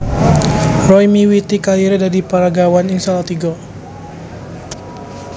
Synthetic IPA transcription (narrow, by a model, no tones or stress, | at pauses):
rɔjmiwit̪ikaliɾedadipaɾaɡawaniŋsalat̪iɡɔ